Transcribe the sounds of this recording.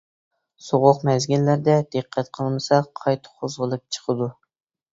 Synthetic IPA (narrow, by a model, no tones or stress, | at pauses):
soʁʊqmɛzɡʲilːæɾd̪ɛd̪ɨqʰːæt̪qʰəlˠmɨsɑqʰɑjt̪ʰɨ̥qʰozʁəlˠɨp̚t͡ʃʰə̥qʰəd̪u